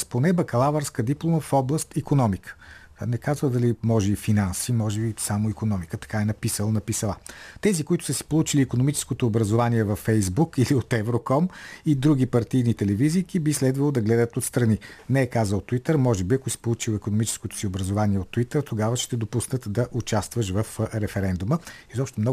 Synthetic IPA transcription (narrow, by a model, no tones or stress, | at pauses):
sponɛbɐkɐlˠavəɾskəd̪iplˠoməfɔblˠəst̪ikonɔmikʰə̥ | nɛkazvəlˠd̪ɐlimɔʒɛifinansimɔʒɛbisamoikonɔmikət̪ɐ̥kaɛnɐpisəlˠnɐpisɐlˠat̪ɛzikoit̪ʊ̥səsi̥polˠut͡ʃiliːkonomit͡ʃɛ̥skot̪oːbɾɐzovaniɛvɐfːɛjzbukiliot̪ɛvɾokɔmid̪ɾuɡ̟ipɐɾt̪ijnit̪ɛlɛviziːkibislɛd̪vɐlˠod̪ɐɡlɛd̪ət̪ot̪st̪ɾɐninɛɛkazəlˠt̪ʊit̪əɾmɔʒɛbiɐkʊsi̥polˠut͡ʃilˠikonomit͡ʃɛ̥skot̪ʊ̥siobɾɐzovaniɛot̪ːuit̪əɾt̪oɡavəʃt̪ɛd̪opusnət̪d̪ɐʔut͡ʃast̪vəʃ̬vəfɾɛfɛɾɛnd̪uməizɔpʃt̪ɛmnɔ